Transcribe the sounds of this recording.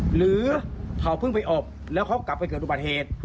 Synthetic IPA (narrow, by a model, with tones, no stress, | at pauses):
ɾɯː˨˦p̪ʰa˨˩wpʰɯ˥˩ŋpa˧jʔɔː˨˩p̚ | lɛː˦˥wkʰɔ˦˥˩ka˨˩pːa˧jkɤː˨˩t̪ʔu˧˩ba˨˩t̪̚heː˨˩t̪̚